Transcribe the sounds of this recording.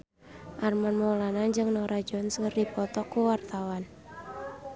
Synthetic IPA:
ʔarmanmɔlanand͡ʒɨŋnɔɾʔad͡ʒɔnskərdipɔt̪ɔkuwart̪awan

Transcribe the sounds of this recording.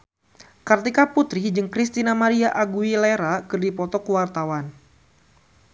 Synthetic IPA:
kart̪ikaput̪ɾid͡ʒɨŋkɾist̪inamaɾiaʔaɡuileɾakɨrdipɔt̪ɔkuwart̪awan

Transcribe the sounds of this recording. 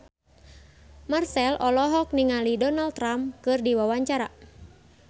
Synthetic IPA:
marsɛlɔlɔɦɔk̚niŋalidɔnalt̪ːɾamkɨrdiwawaɲt͡ʃaɾa

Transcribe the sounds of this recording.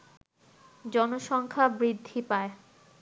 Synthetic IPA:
d͡ʑɔnoʃɔŋkʰabɾid̪ʱːipae

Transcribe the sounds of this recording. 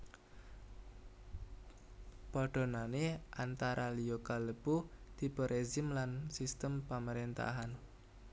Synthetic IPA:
pɔɖ̥o̤naneʔant̪aɾʔaliokaləb̥ud̪̥ibəɾʔezɪmlansist̪əmpaməɾint̪a̰ɦan

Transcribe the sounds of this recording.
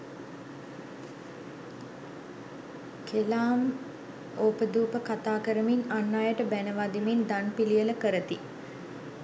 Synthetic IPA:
kelaːm | oːpəd̪uːpəkat̪aːkəɾəminanːaːjəʈəbænəʋad̪imind̪anpilijələkəɾət̪i

